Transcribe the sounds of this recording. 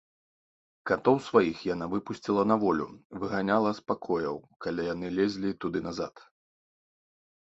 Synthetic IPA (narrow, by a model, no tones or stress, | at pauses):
kat̪ɔwsvajixjanavɨpusʲt͡sʲilˠɐnɐvɔlʲṵvɨɣanʲalˠɐspakʰɔjɐwkalʲajan̪ɨlʲɛzʲlʲit̪ud̪ɨnɐza̰t̪